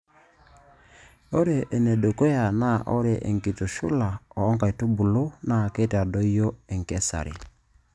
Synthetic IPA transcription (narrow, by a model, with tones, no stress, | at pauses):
o˦ɾe˨ʔːnɛ˨do˨ko˦ja˨na˦ʔɔ˦ɾe˨ʔḛ˨ŋki˨to˨ʃṵ˦la˨ɔː˨˦ŋka˨i˨tu˦bu˨lo˦na˦˨ke˦te˨a˨dɔ˦i˦jɔ˦ɛ˨ŋkɛ˦sa̰˨ɾḛ˨